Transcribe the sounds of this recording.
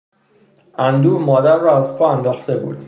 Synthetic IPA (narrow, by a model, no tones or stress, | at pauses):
ʔænd̪uːbmɒːd̪æɾːɒːæzpʰɒːænd̪ɒːxt̪e̞bṵːd̪̥